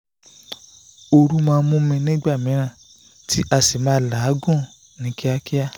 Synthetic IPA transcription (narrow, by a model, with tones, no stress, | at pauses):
o˧ɾu˦mãː˧mũ˦mĩ˧nĩ˦ɡ͡ba˦˨mĩ˨˦ɾ̃ã˦˨ | tʰi˦ʔa˧si˨mãː˧˦la˨˦ɡũ˦˨ | nĩ˨˦ki˦a˧ki˦a˦